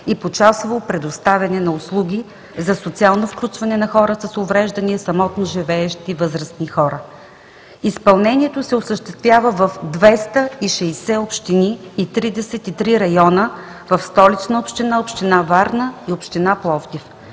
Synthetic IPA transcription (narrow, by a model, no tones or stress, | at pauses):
ipot͡ʃasvɐlˠpɾɛd̪ost̪avʲɐnɛnɐʊslˠuɡʲi | zɐsot̪sialˠnofklʲut͡ʃvɐnɛnɐxɔɾəsɐsovɾɛʒd̪ɐniɛsɐmɔt̪noʒivɛɛʃt̪ivɤzɾəsnixɔɾə | ispɐlˠnɛnʲiɛt̪osɛosəʃt̪ɛst̪vʲjavəvɐfd̪vɛst̪əiʃɛjsɛopʃt̪iniːt̪ɾid̪ɛsɛt̪it̪ɾiɾɐjɔnə | vɐfst̪ɔlit͡ʃnəopʃt̪inaopʃt̪inavaɾnəiopʃt̪inaplˠɔft̪if